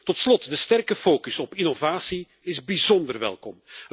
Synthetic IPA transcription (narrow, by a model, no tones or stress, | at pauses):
tɔtslɔtdəstɛrkəfoːkɵsɔpinovaːsi | ɪzbizɔndərʋɛ̰lˠkɔm